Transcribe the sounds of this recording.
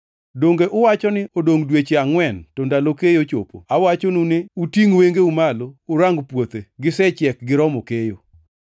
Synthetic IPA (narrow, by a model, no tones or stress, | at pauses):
doŋɡeʔʊwat͡ʃɔnɪʔodoŋdwet͡ʃeaŋwɛntɔndalokejot͡ʃo̰po̰awat͡ʃonunɪutiŋweŋɡeumaloːɾaŋɡpwot̪eɡɪsɛt͡ʃjɛk̚ɡɪɾɔmokejo